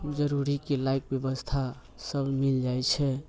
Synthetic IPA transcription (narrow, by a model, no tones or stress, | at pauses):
d͡ʒəɾuɾikelajkbjəbəst̪ʰa | səbʱmild͡ʒajt͡ʃʰɛ